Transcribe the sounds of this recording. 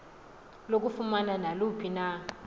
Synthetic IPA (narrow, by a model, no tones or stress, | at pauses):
lok̬ufumananalupʰina